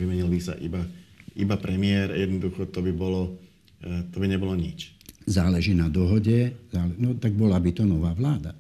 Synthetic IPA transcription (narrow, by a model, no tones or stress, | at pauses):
ʋimɛɲilbisa̰ʔḭbaibapɾɛmɪɛɾjɛd̪nɔd̪uxɔt̪ɔbibɔlɔ | t̪ɔbiɲɛbɔlɔɲit͡ʃzaːlɛʒiːnad̪ɔɦɔɟɛzaːlɛnɔt̪aɡ̚bɔlabit̪ɔnɔʋaːʋlaːd̪a̰